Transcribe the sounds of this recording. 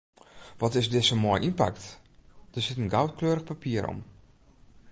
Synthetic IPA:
ʋɔtɪsdɪsəmɔjʔinpa̰kt | d̥əsɪtənɡawt̚kløːɾəxpapiəɾɔ̰m

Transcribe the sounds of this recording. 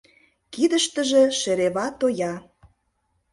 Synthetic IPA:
kid̪əʃt̪ə̆ʒĕʃĕɾeβɑt̪ojɑ

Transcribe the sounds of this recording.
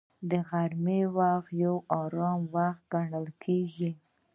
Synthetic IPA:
d̪əɣaɾmewaxjawɑɾɑmwaxt̪̚ɡaɳəlkʰeɡi

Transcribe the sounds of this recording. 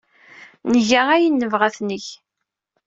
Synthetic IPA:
nəʝææjinːəvʁæθnəç

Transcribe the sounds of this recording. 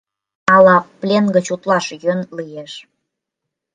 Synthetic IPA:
ɑlɑplʲenɡə̆t͡ɕut̪lɑʃjønlijeʃ

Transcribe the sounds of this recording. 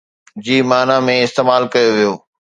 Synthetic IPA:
d͡ʑiːmaːnãmẽɪst̪eːmaːlkɐjoʋijoː

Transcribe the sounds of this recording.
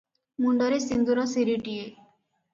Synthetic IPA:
muɳɖɔɾesind̪uɾɔsiɾiʈie

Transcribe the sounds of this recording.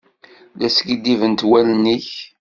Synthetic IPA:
læsɡid̪ivənt̪wælniç

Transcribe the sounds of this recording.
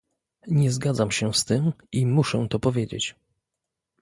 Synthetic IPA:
ɲɛzɡad̪zamɕɛst̪ɘmimuʂɛt̪ɔpɔvʲjed͡ʑḛt͡ɕ

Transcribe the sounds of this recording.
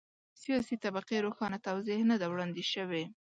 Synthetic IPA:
sijɑsit̪abaqeɾoxɑnat̪awzehnad̪awɽɑnd̪eʃəwe

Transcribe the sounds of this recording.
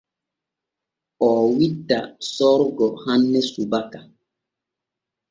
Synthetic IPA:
ɔːwitːasɔɾɡɔhanːɛsubaka

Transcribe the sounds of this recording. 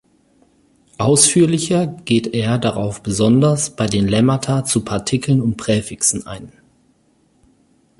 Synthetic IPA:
ʔaʊsfyːɐlɪçɐɡ̥eːteːɐdaʁaʊfb̥əzɔndɐsb̥aɪdeːnlɛmatʰat͡supʰaɐtʰɪkl̩nʊnt̚pʁ̥ɛːfɪksn̩ʔa̰ɪn

